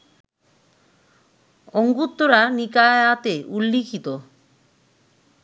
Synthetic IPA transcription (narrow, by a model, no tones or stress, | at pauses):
ɔŋɡut̪ːoɾanikaat̪eʔulːikʰit̪o